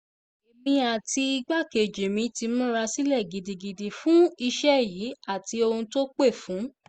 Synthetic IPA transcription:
e˨mĩ˧a˨ti˧i˧ɡ͡ba˦˨ke˨d͡ʒe˨mĩ˧˦ti˧mũ˦ɾa˧si˦lɛ˦˨ɡi˨di˨ɡi˨di˨fũ˦i˧ʃɛ˦jiː˨˦a˦˨ti˧o˧ũ˧to˦k͡pe˦˨fũ˨˦

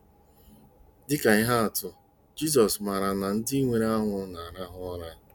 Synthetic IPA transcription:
dɪ˦ka˨ɪ˦ɦa˦a˨tʊ˦ | d͡ʒi˦s̬ɔ˨sma˨ɾa˨na˨n̩˦dɪ˦ŋʷe˨ɾe˦a˦ŋʷʊ˨na˨a˨ɾa˦ɦʊ˦ɔ˦ɾa˦

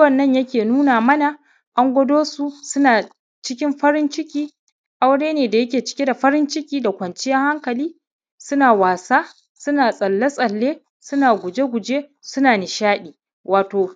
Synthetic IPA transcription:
wɐ˨nːɐ˦˨ɲjɐ˦kʲeː˨nuː˦naː˨mɐ˦na˨ | ʔa˦ŋɡʷɐ˦doː˦su˨sʊ˦naː˨ | t͡ʃɪ˦kʲɪ˦mɸɐ˦ɾɪ˦nt͡ʃɪ˦kʲiː˦ | ʔa˦wɽeː˦neː˨da˨jɐ˦kʲeː˨t͡ʃɪ̥˦kʲe˦da˨ɸɐ˦ɾɪ˦nt͡ʃɪ˦kʲiː˦da˨kʷɐ˨nt͡ʃɪ˦jɐ˦ŋha˦ŋkɐ˨liː˦ | sʊ˦naː˨waː˨saː˦ | sʊ˦naː˨sʼɐ˨lːa˦sʼɐ˨lːeː˦ | sʊ˦naː˨ɡʷʊ˨d͡ʒe˦ɡʷʊ˨d͡ʒeː˦sʊ˦naː˨nɪ˨ʃaː˦ɗiː˨ | waː˨toː˨

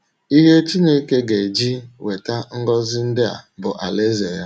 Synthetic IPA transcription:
i˦ɦe˦t͡ʃi˦ne˦ke˦ɡe˨d͡ʒi˦we˨ta˦ŋ̩˦ɡɔ˦zɪ˦n̩˦dɪ˦a̰˨bʊ˨ʔa˨le˦ze˨ja˦

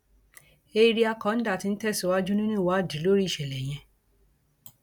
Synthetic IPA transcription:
e˧ɾi˦a˧kɔ̃˨˦n̩˦da˦˨ti˧n̩˦tɛ˦˨so˨˦wa˦d͡ʒu˦nĩ˦nĩ˦˨wa˨˦˨di˨˦lo˦ɾi˦˨ʃɛ˨lɛ˨j̃ɛ̃˧

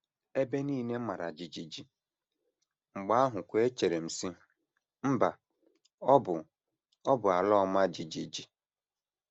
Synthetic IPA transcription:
e˦be˦niː˦˨ne˦ma˨ɾa˨d͡ʒi˨d͡ʒi˨d͡ʒi˨ | ŋ͡m̩˨ɡ͡ba˦a˦ɦʊ˨kʷe˦t͡ʃe˨ɾe˨m̩˨si˦ | m̩˦ba˨ | ɔ˦bʊ˨ | ɔ˦bʊ˨a˨lɔ˦ma˦d͡ʒi˨d͡ʒi˨d͡ʒi˨

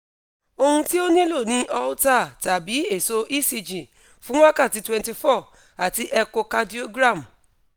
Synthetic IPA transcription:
o˧hũ˧ti˦o˦nĩ˦lo˦˨nĩ˧˦ʔɔ˧u˦ta˦˨ta˨bi˨˦e˦˨so˧ʔi˦si˧d͡ʒĩ˨ | fũ˨˦w̃ã˦ka˦˨ti˧twɛ̃˨nti˧fɔ˦˨ | a˨ti˧ʔɛ˧ko˧ka˧di˦o˧ɡɾa˦˨m

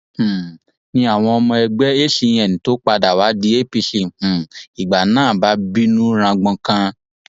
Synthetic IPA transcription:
nĩ˧a˦˨w̃ɔ̃˧ɔ˧mɔ̃˧ɛ˧ɡ͡bɛ˦e˦ʃi˧j̃ɛ˨nĩ˨˦to˦k͡pa˧da˨wa˨˦di˦e˦pi˧ʃĩ˨i˨ɡ͡ba˨nãː˦˨ba˨˦bi˦nũ˦ɾ̃ã˧ɡ͡bɔ̃˧kã˧

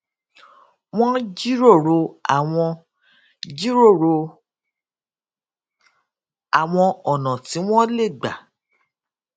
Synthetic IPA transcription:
w̃ɔ̃˦d͡ʒi˦ɾo˦˨ɾo˧a̰˨w̃ɔ̃˧ | d͡ʒi˦ɾo˦˨ɾo˧ | a˨w̃ɔ̃˧ɔ˨nã˨ti˨˦w̃ɔ̃˦le˦˨ɡ͡ba̰˨

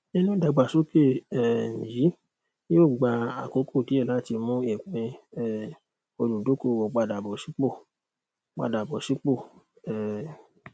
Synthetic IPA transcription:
nĩ˦nũ˦da˨ɡ͡ba˨so˦ke˦˨ɛ˨n̩˨ji˨˦ | oː˦˨ɡ͡ba˧a˨ko˨˦kʰo˦˨ti˨˦ɛ˦˨la˦˨ti˧mũ˦ɛ˦˨k͡pĩ˧ɛ˦˨ | o˧lu˨do˨˦ko˦˨wɔ˨k͡pa˧da˨bɔ˨si˨˦k͡po˦˨ | k͡pa̰˧˨da˨bɔ˨si˨˦k͡po˦˨ | ɛ˨

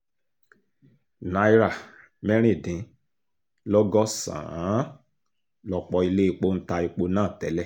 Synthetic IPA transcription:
na˨˦i˦ɾa˦˨ | mɛ˦ɾ̃ĩ˦˨dĩ˨˦ | lɔ˦ɡɔ˦sã̰˨ã˨˦ | lɔ˧k͡pɔ˧i˧le˦i˧k͡po˦n̩˦ta˧i˧k͡po˧˦nãː˦˨tɛ˨˦lɛ˦˨

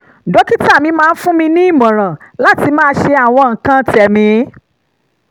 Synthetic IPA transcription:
dɔ˨˦ki˦ta˦˨mĩ˧mãː˧n̩˦fũ˦mĩ˧nĩ˦i˦˨mɔ̃˨ɾ̃ã˨la˦ti˧mãː˦˧˦ʃe˧a˨w̃ɔ̃˧ŋ̩˨kã˦tɛ˨mĩ˧˦

